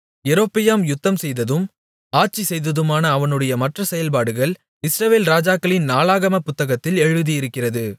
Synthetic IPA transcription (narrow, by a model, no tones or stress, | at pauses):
ɛɾoːpːɪjaːmjʊt̪ːɐmsɛjðɐðɯm | aːʈ̚t͡ʃisɛjðɐðɯmaːnɐːʋɐnɯɽɐjɐmɐʈrɐsɛjɐlpaːɽɯɣɐɭ | ɪsɾɐʋeːlɾaːd͡ʒaːkːɐɭɪnnaːlaːɣɐmɐpʊt̪ːɐɣɐt̪ːɪlɛɻɯðijɪɾɯkːɪrɐðɯ